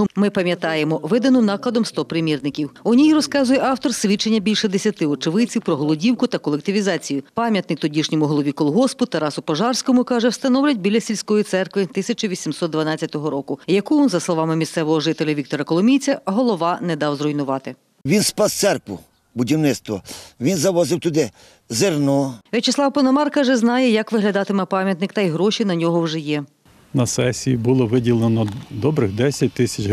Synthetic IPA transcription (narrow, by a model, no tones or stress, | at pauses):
mɪpɐmʲjɐt̪ɑjemɔʋɪd̪ɐnɔnɑklˠɐd̪ɔmst̪ɔpɾɪmʲirnɪkʲiwʊnʲijiɾɔskɑzʊjɛʔɑwt̪ɔrsʲʋʲit͡ʃːenʲːɐbʲilʲʃɛd̪esʲjɐt̪ɪɔt͡ʃɪʋɪt͡sʲiwpɾɔɦɔlˠɔdʲiwkʊt̪ɐkɔlˠek̚t̪ɪʋʲizɑt͡sʲijʊpɑmʲjɐt̪nɪk̚t̪ɔdʲiʃnʲɔmʊɦɔlˠɔʋʲikɔlˠɦɔspʊt̪ɐɾɑsʊpɔʒɑrsʲkɔmʊkɑʒɛwst̪ɐnɔwlʲɐt̚ʲbʲilʲːɐsʲilʲsʲkɔjit̪sɛrkʋɪt̪ɪsʲɐt͡ʃʊʋʲisʲimsɔt̪̚d̪ʋɐnɑt͡sʲːɐt̪ɔɦɔɾɔkʊjɐkuʋɔnzɐslˠɔʋɑmɪmʲist̪sɛʋɔɦɔʐɪt̪elʲɐʋʲik̚t̪ɔɾɐkɔlˠɔmʲijt͡sʲɐɦɔlˠɔʋɑnɛd̪ɑwzrɔjnʊʋɑt̪ɪ | ʋʲinspɑst̪sɛrkʋʊ | bʊdʲiwnɪt̪st̪ʋɔʋʲinzɐʋɔzɪwt̪ʊd̪ɪ | zernɔʋʲet͡ʃɪslˠɑwpɐnɔmɑrkɐʒɛznɑjɛjɐkʋɪɦlʲɐd̪ɑt̪ɪmɛpɑmʲjɐt̪nɪkt̪ɐjɦɾɔʃinɐnʲɔɦɔwʐɛjɛ | nɐsɛsʲijibʊlˠɔʋɪdʲilˠenɔd̪ɔbɾɪxd̪ɛsʲɐt̚ʲt̪ɪsʲɐt͡ʃ